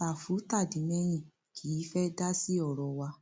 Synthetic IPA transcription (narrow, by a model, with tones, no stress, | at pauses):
a˨fu˨˦ta˦˨di˨˦mɛ̃˦j̃ĩ˦˨ | kʰi˨˦fɛ˦da˦si˦ɔ˦˨ɾɔ˨wa˧